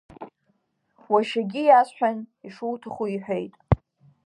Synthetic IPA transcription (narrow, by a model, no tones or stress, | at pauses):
waʃaɡʲɪjasħᶣaniʂuwtʰaχuiħʷᶣejtʼ